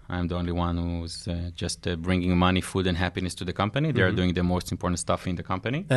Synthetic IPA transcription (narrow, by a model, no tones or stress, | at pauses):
ʔã̰j̃mdiõʊ̃nliwʌ̃nhuɪzd͡ʒʌstbɹɪ̃ŋɡɪ̃ŋmʌnifudɨ̃nɦæpinɨstʰuðɨkʰʌ̃mpəniðea˞duɪ̃ŋðəmoʊstɪ̃mpʰɔɹtn̩tstʌfɪ̃nðəkʰʌ̃mpɨni